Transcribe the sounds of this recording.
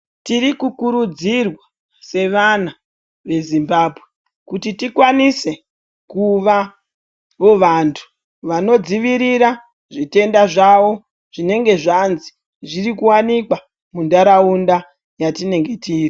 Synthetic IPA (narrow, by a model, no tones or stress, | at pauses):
tiɾikukuɾud͡zirwa | se̞ʋana | ʋe̞zimbaːbʱwe | kutitikwanise̞ | kuʋa | oʋantʰu̥ | ʋano̞d͡ziʋiɾiɾa | ʐite̞ndaʐaʋo̞ | ʐ̥ine̞ŋɡe̞ʐanzi̥ | ʐiɾikuwanikwa | mundaɾaunda | jatine̞ŋɡe̞tiːri